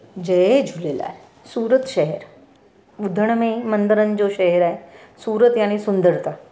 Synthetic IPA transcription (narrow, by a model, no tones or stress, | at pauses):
d͡ʑed͡ʑʱulela̰e | suːɾət̪ʃəɦeɾ | ud̪ʱəɳ̃memənd̪əɾənd͡ʑoɕəɦeɾaesuːɾət̪jañesund̪əɾt̪a